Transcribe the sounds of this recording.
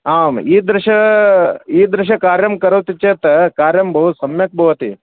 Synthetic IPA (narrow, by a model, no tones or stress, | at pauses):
aːmiːd̪ɾɪʃɐ | iːd̪ɾɪʃ̬ɐkaːɾjɐmkɐɾɐʋt̪it͡ʃeːt̪ɐkaːɾjɐmbʱɐʋusɐmjɐk̚bʱɐʋɐt̪i